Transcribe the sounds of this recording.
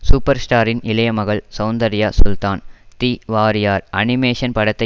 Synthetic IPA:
suːpːɐɾsʈaːɾɪnɪlɐjɐmɐɣɐɭsɐʊnd̪ɐɾɪjɐsʊlt̪aːnt̪iːʋaːɾɪjaːɾʔɐ̰nɪmeːʂɐnpɐɽɐt̪ːɐ

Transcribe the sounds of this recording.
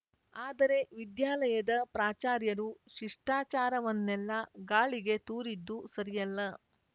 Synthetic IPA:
aːd̪ɐɾe̞ʋid̪jaːlɐjɐd̪ɐpɾaːt͡ʃaːɾjɐɾuʃiʂʈaːt͡ʃaːɾɐʋɐnːɛlːɐɡaːɭiɡe̞t̪uːɾid̪ːusɐɾijɐlːɐ

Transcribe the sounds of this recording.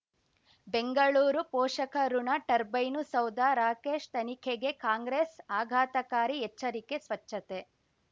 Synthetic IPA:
beŋɡɐɭuːɾupɔːʂɐkʰɐɾuɳɐʈɐɾbɐjnusɐwd̪aɾaːkeːʃt̪ɐnikʰeɡe̞kaːŋɡɾeːsaːɡʱaːt̪ɐkaːɾiɛt͡ʃːɐɾikesʋɐt͡ʃːɐt̪e

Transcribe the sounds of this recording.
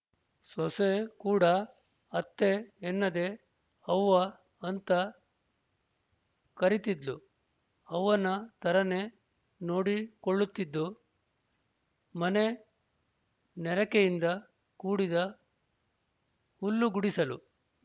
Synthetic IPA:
sɔsekuːɽɐ | ɐt̪ːeːnːɐd̪e̞ | ɐwːɐ | ɐnt̪ɐ | kɐɾit̪id̪lu | ɐwʋːɐnːɐt̪ɐɾɐne | no̞ːɽikoɭːut̪ːid̪ːu | mɐne | nɛɾɐkejind̪ɐ | kuːɽid̪ɐ | hulːuɡuɽisɐlṵ

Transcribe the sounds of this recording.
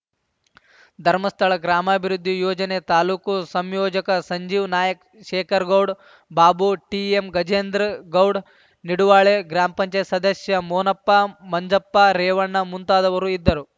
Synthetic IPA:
d̪ʱɐɾmɐst̪ʰɐɭɐɡɾaːmɐːbʱiɾud̪ʱːijoːd͡ʒɐnet̪aːluːkusɐmjoːd͡ʒɐkɐsɐɲd͡ʒiːʋnaːjɐk | ʃeːkʰɐɾɡɐwɖ | baːbuʈiemɡɐd͡ʒeːnd̪ɾɐɡɐwɖ | niɽuʋaːɭeɡɾaːmɐpɐɲt͡ʃɐjsɐd̪ɐsjɐmoːnɐpːamɐɲd͡ʒɐpːaɾeːʋɐɳːɐmunt̪aːd̪ɐʋɐɾuid̪ːɐɾu

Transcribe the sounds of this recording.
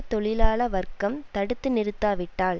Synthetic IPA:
t̪ɔɭɪlaːɭɐʋɐrkɐmt̪ɐɽɯt̪ːɯnɪɾɯt̪ːaːʋɪʈːaːɭ

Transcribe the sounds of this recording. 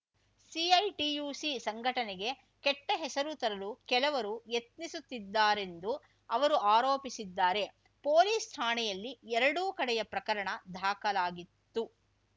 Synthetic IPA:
siɐjʈijuːsisɐŋɡʱɐʈɐnɛɡe̞ | kɛʈːɐɦɛsɐɾut̪ɐɾɐlukɛlɐʋɐɾujet̪nisut̪ːid̪ːaːɾe̞nd̪u | ɐʋɐɾuʔaːɾoːpisid̪ːaːɾe̞ | poːliːst̪ʰaːɳɛjɐlːiɛɾɐɽuːkɐɽɛjɐpɾɐkɐɾɐɳɐd̪ʱaːkɐlaːɡit̪ːu

